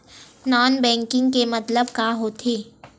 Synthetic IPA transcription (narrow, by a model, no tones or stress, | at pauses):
naːnbɛ̃ːŋkɪ̃ŋɡkemɐt̪ləbkaɦoːt̪ʰeː